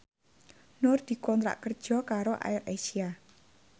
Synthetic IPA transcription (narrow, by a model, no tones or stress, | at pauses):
nʊrd̪̥i̤kɔnt̪ɾa̰ʔkərd̥ʒ̥ɔ̤kaɾoʔa̰ɪrasia